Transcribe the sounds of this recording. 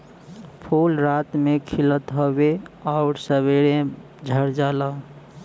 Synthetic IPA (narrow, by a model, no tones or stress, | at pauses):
pʰulɾat̪mekʰilət̪ɦobeaʊɾsəβeɾẽ | d͡ʒʱəɾd͡ʒala